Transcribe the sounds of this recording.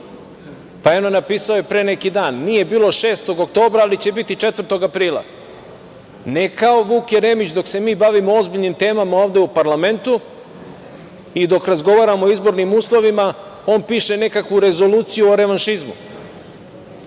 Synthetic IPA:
paeonenapiːsao̞jepɾe̞ːne̞kid̪aːnːije̞biːlˠo̞ʃe̞ːst̪o̞ɡok̚t̪o̞ːbɾaːlit͡ɕe̞bit̪it͡ʂet̪ʋɾt̪o̞ɡapɾiːlˠa̰ | ne̞kao̞ʋuːkeɾe̞ːmit͡ɕd̪o̞kse̞miːbaʋimo̞o̞zbiʎnimt̪e̞ːmamao̞ːvd̪e̞upaɾlˠame̞nt̪u | id̪o̞kɾazɡo̞ʋaːɾamoizbo̞ɾnimuːslˠo̞ʋima | o̞ːnpiːʃe̞ne̞kakʋuɾe̞zo̞luːt̪sijuoɾe̞ʋanʃizmṵ

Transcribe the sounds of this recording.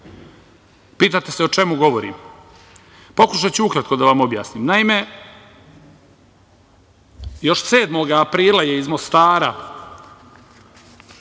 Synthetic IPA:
piːt̪at̪e̞seo̞t͡ʃe̞muɡo̞ʋo̞ɾḭm | po̞kuʃat͡ɕuukɾat̪̚ko̞d̪aʋamo̞bja̰ːsniːmnaime̞ | jo̞ʃse̞ːd̪mo̞ɡaːpɾiːlaje̞izmo̞st̪aːɾa

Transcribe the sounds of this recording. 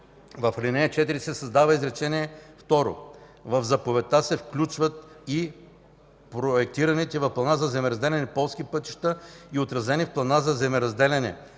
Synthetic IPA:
vɐflinɛɛt͡ʃɛt̪iɾisɛsɐzd̪avəizɾɛt͡ʃɛniɛft̪ɔɾo̰vɐvzɐpovɛt̪asɛfklʲut͡ʃvət̪̚i | pɾoɛk̚t̪iɾɐnit̪ɛvɐfplˠɐnazɐzɛmɛɾɐzd̪ɛlʲɛnɛpɔlˠskipɤt̪i̥ʃt̪əiot̪ɾɐzɛnifplˠɐnazɐzɛmɛɾɐzd̪ɛlʲɛnɛ̰

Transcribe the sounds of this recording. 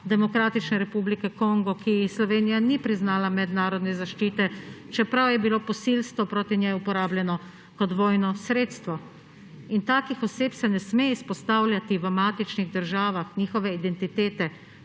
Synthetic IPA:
d̪ɛmɔkɾaːt̪it͡ʃnɛɾɛpublikɛkɔŋɡɔkislɔʋeːnijanipɾiznaːlamɛd̪naːɾɔd̪nɛzaʃt͡ʃiːt̪ɛt͡ʃɛpɾawjɛbiloːpɔsilst̪ʋɔpɾoːt̪injɛjupɔɾaːbljɛnɔ | kɔt̪ʋɔːjnɔsɾeːt̪st̪ʋɔ | int̪aːkixɔseːpsɛnɛsmeispɔst̪aːwlʲjat̪iʋəmaːt̪it͡ʃniɣd̪əɾʒaːʋaxnʲiːxɔʋɛid̪ɛnt̪it̪eːt̪ɛ

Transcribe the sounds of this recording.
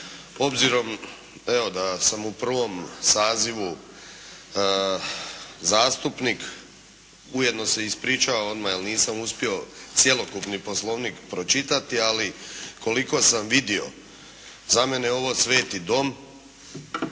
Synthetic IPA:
o̞bziɾo̞m | eʋo̞d̪asamupr̩ʋo̞msaːziʋu | zaːst̪upnik | uje̞d̪no̞se̞ispɾiːt͡ʃaʋao̞d̪majelniːsamuspio̞t̪sjelo̞kupnipo̞slˠo̞ːʋniːkpɾo̞t͡ʃit̪at̪ialikʰo̞liko̞samʋid̪io̞̰ | zame̞neo̞ʋo̞ːsʋe̞ːt̪id̪o̞m

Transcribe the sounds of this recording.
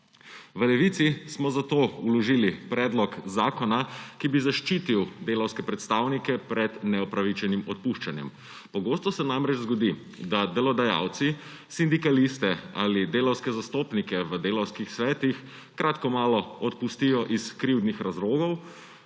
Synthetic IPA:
ʋəlɛʋit̪sismɔzat̪oːulɔʒilipɾɛːd̪lɔkzaːkɔnakibizaʃt͡ʃit̪iwd̪eːlawskɛpɾɛt̪st̪aːwnikɛpɾɛd̪nɛɔpɾaʋit͡ʃɛnimɔt̪̚puʃt͡ʃanjɛ̰m | pɔɡoːst̪ɔsɛnamɾɛt͡ʃzɡɔd̪i | d̪ad̪ɛlɔd̪aja̰wt̪si | sind̪ikalist̪ɛa̰lid̪eːlawskɛzast̪oːpnikɛʋəd̪eːlawskixsʋɛːt̪ix | kɾʔaːt̪kɔmaːlɔɔt̪pust̪ijɔʔiskɾiwd̪nixɾazɾoːɡɔw

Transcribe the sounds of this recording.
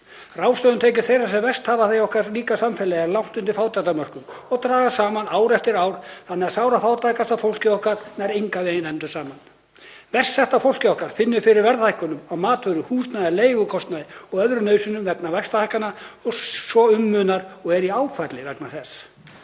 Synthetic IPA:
rawst̪œðʏnt̪ʰeːjc̬ʏ̥θejɾasɛmvɛrst̪haːvaθejɔhkaɾliːkasamfɛlɛaɾlawn̥t̪ʏnt̪ɪɾ̥faːwt̪ajt̪amœr̥kʏmɔɣt̪ɾaːɣasaːmanaːwɾɛft̪ɪɾaːwɾ̥θanːɛasaːwɾafaːwt̪ajkast̪afowl̥cɪɔhkaɾnɛɾejŋkaðejnɛnt̪ʏ̥saːman | vɛr̥st̪sɛht̪afowl̥cɪɔhkaɾ̥fɪnːʏfɪɾɪɾvɛɾðhajhkʏnʏmawmaːt̪vœɥɾʏhuːst̪naðɛleːjɣʏkʰɔst̪naðɪɔɣœðɾʏnœːɥsʏnʏmvɛp̚navɛkst̪ahajhkanaɔsɔʏmːʏːnaɾɔɣɛɾiaːwfajt̪lɪvɛknaθɛs

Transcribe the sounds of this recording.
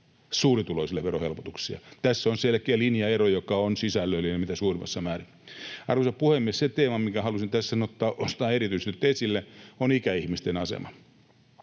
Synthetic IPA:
suːrit̪uloisilːˑeʋerohelpo̥t̪uksiɑ̰t̪æsːonselkeælinjɑerojokɑonsisælːøilːinmit̪æsuːrimʔɑ̰sːɑmæːri | ɑrʋosɑppuhemːiesset̪eːmɑmikæhɑlusint̪æssɑnot̪ːɑːʔonst̪ɑːerit̪yiset̪ot̪ːæesilːæonikæihmist̪enɑsḛmɑ

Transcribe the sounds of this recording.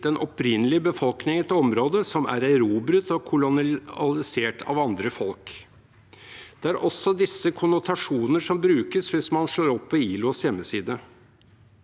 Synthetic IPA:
ɛnʔɔpɾɪnːəlɪbəfɔlknɪŋɛt̪ɔmɾoːd̪əsɔmæ̰ɾæɾuːbɾʉt̪ːɔkʰʊlʊɑlɪseːʈʰɑ̰ʋɑnd̪ɾəfɔlk | d̪̥ɛæɾʔɔsːɔd̪ɪsːəkʰʊnʊt̪ʰɑʂuːnəʂɔmbɾʉːkəsʋɪsmɑnʂɭoːɾɔpːʋɪiːlʊsjɛmːəsiːd̪ə

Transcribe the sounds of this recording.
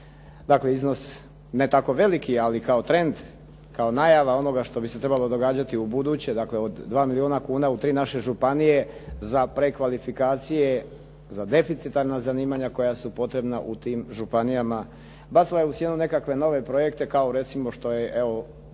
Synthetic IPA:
d̪akle̞izno̞s | ne̞t̪ako̞ʋe̞likialikaot̪ɾe̞nd̪ | kaonajaʋao̞no̞ɡaʃt̪o̞biset̪ɾe̞balo̞d̪o̞ɡaːd͡ʑat̪iubud̪uːt͡ɕe̞d̪akleod̪ːʋaːmilionakuːnaut̪ɾiːnaʃe̞ʒupanije̞ | zapɾe̞kʋalifikaːt̪sije̞ | zad̪e̞fit̪sit̪aɾnazaniːmaɲako̞jasupo̞t̪ɾe̞bnaʔṵt̪iːmʒupanijama | bat̪ilajeut̪sje̞nune̞kakʋe̞no̞ʋe̞pɾo̞je̞kt̪e̞kaoɾe̞t̪simo̞ʃt̪o̞jeʔeo̞

